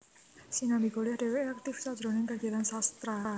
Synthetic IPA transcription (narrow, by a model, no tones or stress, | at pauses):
sinabiɡolɛhɖ̥ewɛak̚t̪ɪfsad̥d͡ʒɾonɪŋɡaɡiat̪ansast̪ɾa